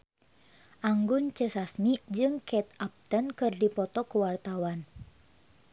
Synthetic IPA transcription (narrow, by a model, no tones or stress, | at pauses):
ʔaŋɡunt͡ʃəsasmid͡ʒɨŋkʰɛt̪ap̚t̪ənkɨrdipɔt̪ɔkuwart̪awan